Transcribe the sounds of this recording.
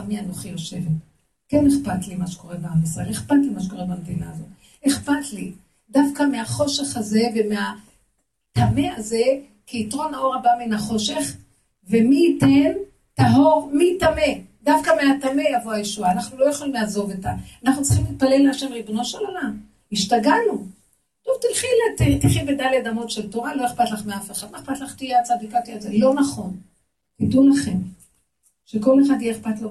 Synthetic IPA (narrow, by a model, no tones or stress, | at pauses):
amianoχijo̞ʃe̞vet | keneχpatlimaʃe̥ko̞ʁebaamisaeχpatlimaʃeko̞ʁebamd̪ina̰ːzo̞t | eχpatli | dafkameaχo̞ʃe̞χaze̞vemea | tame̞aze̞ | kiitʁo̞nao̞ʁabaminaχo̞ʃe̞χ | ve̞miːten | taɦoʁmitame̞dafkameatame̞javoajeʃuaːnaχnulo̞jaχolimleazo̞vetaanaχnutt͡sʁi̥χimlit̪̚pale̞lːeaʃemʁibno̞ʃelolam | iʃtaɡanu | tovtilχilattiχibedaleadamo̞tʃe̞lto̞ʁalo̞eχpatlaχmeafeχad̪noeχpatlaχt̪ijeat͡sad̪ikpatiazelo̞naχo̞n | kitulaχe̞m | ʃeko̞le̞χadjeeχpatlo